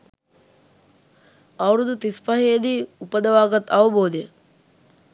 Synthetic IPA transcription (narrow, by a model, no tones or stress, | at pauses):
ɐʋɾud̪ut̪ispɐɦejd̪iupɐd̪ɐʋaːɡɐt̪ɐʋɐboːd̪e